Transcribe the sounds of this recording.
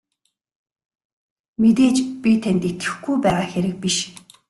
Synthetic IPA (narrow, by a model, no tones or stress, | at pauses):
met̪eːt͡ɕpʲit̪ʰænt̪et̪ɡɘ̥̆xɡujpæːʁaːxeɾɘ̆k̚piʃ